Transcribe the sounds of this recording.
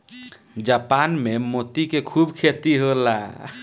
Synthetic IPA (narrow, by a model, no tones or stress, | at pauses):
d͡ʒapanmemot̪ikekʰubkʰet̪iɦola